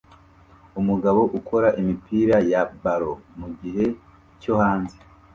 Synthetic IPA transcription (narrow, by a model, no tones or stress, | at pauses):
umuɡaβo̞ʔukʰo̞ɾaʔimipiːɾajabaɾo̞muɡiɦe̞ | co̞haːnze